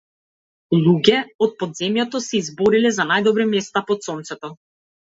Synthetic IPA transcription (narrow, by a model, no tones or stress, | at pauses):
lˠuɡʲɛɔt̪̚pɔd̪zɛmjat̪ɔsɛizbɔɾilɛzanajd̪ɔbɾimɛst̪apɔt̪sɔnt̪sɛt̪ɔ